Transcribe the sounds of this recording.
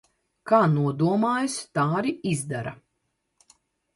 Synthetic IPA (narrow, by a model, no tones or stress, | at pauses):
kaːnuɔd̪uɔmaːjust̪aːɾiizd̪aɾa